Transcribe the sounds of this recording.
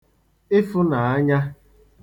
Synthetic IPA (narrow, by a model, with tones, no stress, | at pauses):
e˦fʊ˦na˨a˦ɲa˦